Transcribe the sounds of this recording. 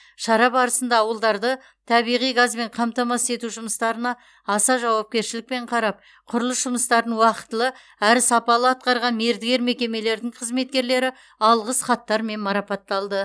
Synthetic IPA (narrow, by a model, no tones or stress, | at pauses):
ʃɑɾɑpɑɾəsənd̪ɑːwəlˠd̪ɑɾd̪ə | t̪ʰɑβijʁijɡazbe̞ɴqʰɑmt̪ɑmɑse̞t̪uʒʊməst̪ɑɾənɑ | ɑsɑʒɑwɑp̚kʲe̞ɾʃɪlɪk̚pe̞ɴqʰɑɾɑp̚ | qʰʊɾlˠəsʒʊməst̪ɑɾd̪ənwɑqə̥t̪əlˠə | æɾsɑpɑlˠəɑt̪̚qɑɾʁɑnme̞ɾd̪ɪɡʲe̞ɾme̞kʲe̞me̞le̞ɾd̪ɪɴqʰəzme̞t̪̚kʲe̞ɾle̞ɾɪ | ɑlˠʁəsχɑt̪ːɑɾme̞nmɑɾɑpɑt̪ːɑlˠd̪ə